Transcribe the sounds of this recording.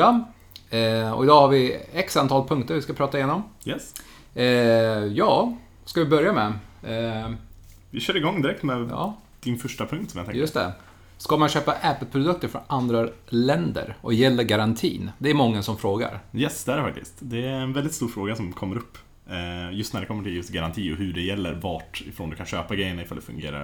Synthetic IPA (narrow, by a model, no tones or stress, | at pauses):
a | ɔ̰ɪd̪ɑːhaɾvɪɛksant̪ʰɑːlpʰɵŋkt̪əɾvɪskapʰɾɑːt̪aɪjeːnɔmjɛs | jɑː | skavɪbœɾjamɛ | vɪɕœːɾɪɡɔŋːd̪ɪɾɛkt̪mɛjɑ̰ː | d̪̥ɪnfœʂʈapʰɵŋkt̪sɔmja̰t̪ɛjst̪ɛ̰ | skamanɕøːpaʔɛpːəlpʰɾʊd̪ɵk̚t̪əɾfɾɔ̰nand̪ɾalɛnd̪ə̰ɾɔjɛlːəɾɡaɾant̪ʰḭːnd̪ɛːɾmɔŋːəsɔmfɾoːɡa̰ɾjɛsd̪ɛæɾɛfak̚t̪ɪ̰skt̪d̪ɛæɾɛnvɛld̪ɪt̪st̪uːɾfɾoːɡasɔmkʰɔmːəɾɵpː | jɵst̪næɖɛkʰɔmːəʈʰɪljɵst̪ɡaɾant̪ʰiːɔɦɵɖɛjɛlːə̰ɾvaʈɪ̰fɾoːnd̪ɵkanɕøːpaɡɾɛjənɳaɪfaləd̪ɛfɵŋɡḛːɾa̰ɾ